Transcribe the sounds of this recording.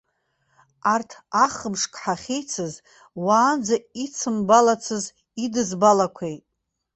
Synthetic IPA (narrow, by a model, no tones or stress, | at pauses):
artʰaχəmʂkʼħaχʲejt͡sʰɨz | waːnd͡zait͡sʰɨmbalat͡sʰɨz | idɨzbalakʷʰejtʼ